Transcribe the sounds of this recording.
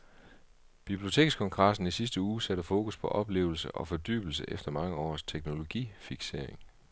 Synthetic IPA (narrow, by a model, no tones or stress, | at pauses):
b̥ib̥liot͡sʰe̝̰ːɡ̥skʰɒ̽ŋɡ̥ʁɑ̈sn̩isisd̥əuːsæɾəfo̝ːkʰuspʰɒ̽ʔɒ̽b̥le̝̰ːʊl̩səʔɒ̽fɒ̽d̥y̰ːb̥l̩s̬əʔefd̥ɐmɑ̈ŋəɒ̰ːst͡sʰeɡ̥no̝lo̝ɡ̥ḭːfiɡ̥se̝ɐ̰e̝ŋ